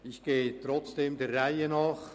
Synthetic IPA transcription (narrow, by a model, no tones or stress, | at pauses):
ɪçɡ̥eːt̪ɾɔt͡sd̥eːmd̪ɛrraɪənɑːχ